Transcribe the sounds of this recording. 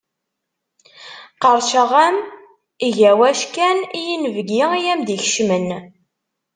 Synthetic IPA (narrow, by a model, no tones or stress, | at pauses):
qəɾˤʃəʁæm | iʝæwæʃkænijinvɡiijæmd̪içʃmən